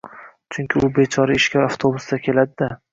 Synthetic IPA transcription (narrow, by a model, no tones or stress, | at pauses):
t͡ʃʰʊŋkʲʰɪʊbe̞t͡ʃʰɒɾaɪʃkʲʰaɾaft̪ʰobʊsd̪akʲʰe̞lad̪ɪd̪a